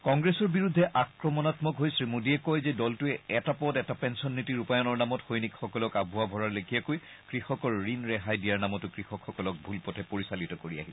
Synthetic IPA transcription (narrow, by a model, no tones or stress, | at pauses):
kɔŋɡɹɛsɔɹbiɹudʱːɛʔakɹɔmɔnatmɔkɦojsɹimudiɛkɔjzɛdɔltʊɛɛtapɔtɛtapɛnsɔnːitiɹupajɔnɔɹnamɔtxojnikxɔkɔlɔkabʱʊabʱɔɹaɹlekʰijakoj | kɹixɔkɔɹːinɹɛɦajdijaɹnamɔtʊkɹixɔkxɔkɔlɔk̚bʱulpɔtʰɛpoɹisalitɔkoɹia̰ɦisɛ̥